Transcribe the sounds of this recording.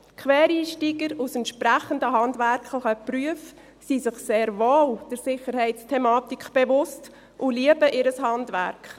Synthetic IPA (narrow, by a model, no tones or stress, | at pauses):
kʰʋɛːɾiːʃtiːɡəɾusɛntʃpɾæχəndəɦɑndʋærkχlɪχəpryəf | sisɪχseːɾvoːld̥əɾsɪχəɾhɛɪtt͡stʰɛmɑːtikb̥ɛʋʊst | ʔuliəbəʔɪɾəshɑndʋæ̰ɾkχ